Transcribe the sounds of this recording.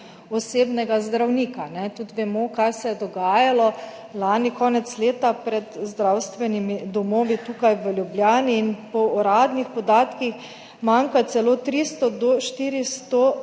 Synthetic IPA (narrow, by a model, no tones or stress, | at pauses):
ɔseːbnɛɡazd̪ɾawniːkanɛt̪ut̪ʋɛmɔkajsɛjɛd̪ɔɡaːjalɔ | laːnikɔːnɛt̪sleːt̪apɾɛt̪zd̪ɾawst̪ʋɛnimid̪ɔmoːʋit̪uːkajʋəljublʲjaːniːnpɔɔɾaːd̪nixpɔd̪aːt̪kix | maŋkat̪sɛloːt̪ɾist̪ɔd̪ɔʃt̪iːɾist̪o